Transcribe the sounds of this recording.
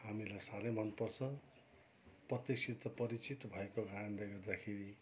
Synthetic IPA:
hamilajsaɾʌjmʌnpʌrt͡sʰʌ | prʌt̪jek̚sʰit̪ːʌpʌɾit͡sit̪bʱʌekoɡaanbajɡʌrd̪akʰeɾi

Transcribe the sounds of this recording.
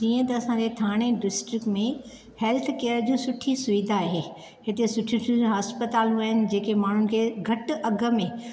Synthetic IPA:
d͡ʑiːə̃t̪ɐːsãd͡ʑet̪ʰaːɽ̃eɖɪsʈɾɪkʈmẽ | hɛːlt̪ʰkeːəɾəd͡ʑũsʊʈʰisʊʋid̪ʱaaːɦeː | ɦɪt̪esʊʈʰiʈʰũɦaːspət̪aːlũaːɦɪnɪ̆d͡ʑeːkemaːɳ̤ʊnɪ̆kʰeːɡʱɐʈʔɐɡʱə̆mẽ

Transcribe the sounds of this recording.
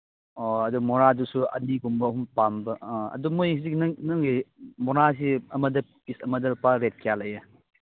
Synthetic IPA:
oɐdumɔnadusuɐ̰niɡumbɐːɦumpambɐɐ̰dumojhizik̚nŋnɯŋɡimɔnasiɐmɐdɐpisɐmɐdɐpaɾet̚kijalɐjɐ

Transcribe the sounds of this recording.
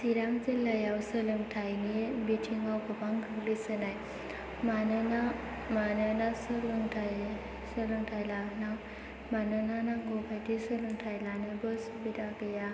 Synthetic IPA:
siɾaŋzilajawsəlɯŋtʰajnibitʰiŋawɡɐbaŋkʰɯklisɯnaj | manana | manənasɯlɯŋtʰaj | səlɯŋtʰajlanaw | manananaŋɡokʰajdisəlɯŋtʰajlanɯbɯsubidaɡɯja

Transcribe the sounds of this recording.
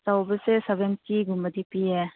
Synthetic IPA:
sawbəsesebentiɡumbəd̪ipie

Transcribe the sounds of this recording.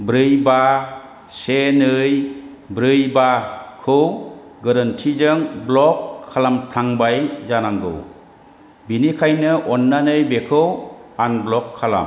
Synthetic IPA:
bɾɯjba | senɯj | bɾɯjbakʰɯw | ɡɯɾɯntʰizɯŋblɔkʰːalampʰaŋbajzanaŋɡɯ̰w | binikʰajnɯʔɔnːanɯjbekʰɯwanblɔkʰːala̰m

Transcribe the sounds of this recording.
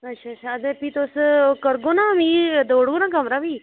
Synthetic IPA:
ɐtːʃʰatːʃʰaːd̪epit̪oːskəɾɡonamid̪oːɽonaɡəmɾaʋiː

